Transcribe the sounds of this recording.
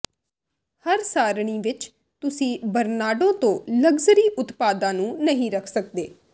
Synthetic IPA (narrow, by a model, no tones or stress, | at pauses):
həɾsaːɾɳ̃ĩːʋɪt͡ʃ | t̪ʊsĩːbəɾnaːɖõːt̪õːləɡzəɾiːʔʊt̪paːd̪ãːnũːnəɦĩːɾəkʰsəkd̪eː